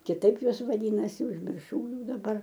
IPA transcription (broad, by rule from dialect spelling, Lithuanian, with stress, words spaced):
kʲɪˈtɐɪp ˈjuɔs ʋɐˈdʲiːnɐsʲɪ ʊʒʲmʲɪrˈʃɐʊ ˈjɛʊ dɐˈbɐr